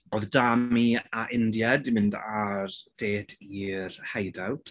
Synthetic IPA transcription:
oðdamiaʔɪndjadimɪndard̥eːd̥irhajdawtʰ

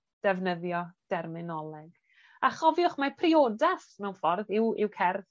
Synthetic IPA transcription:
d̥ɛvnəðjɔd̥ɛrmɪnɔlˠɛɡ̥ | aχɔvjʊχmapʰrioːdaθmɛwnfɔrðɪwɪwkʰɛrð

